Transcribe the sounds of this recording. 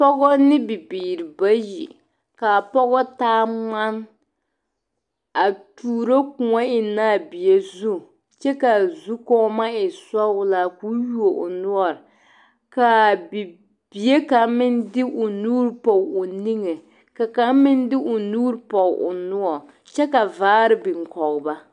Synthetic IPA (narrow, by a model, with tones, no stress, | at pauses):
pɔ˦ɡɔ˦nɪ˦bɪ˨biː˨ɾɪ˨ba˦jḭ˨ | ka˨pɔ˦ɣɔ˦taː˦ma˦n | a˨tuː˨ɾo˦ku˨ŋɔ˦ɪ˨naː˦˨bi˨e˦zu˦ | t͡ʃɛ˦ka˨zu˦kɔ˦ma˦ɪ˨sɔ˦ʊ˦la˦ku˦ju˦o˨ʔʊ˨nʊ˦ɔ˨ɾ | ka˨bi˨ | b̥i˨je˦ka˨mɪ˦ndɪ˦ʔʊ˨nuː˦ɾpɔ˨ʊ˨ni˦ŋɛ˨ | ka˨ka˨˦mɪ˦ndɪ˦ʔʊ˨nuː˦ɾpɔ˨ʔʊ̰˨nʊ˦ɔ˨ | t͡ʃɛ˦ka˨vaː˦ɾɪ˦bɪ˨ŋ˨kɔ˨ɣba˦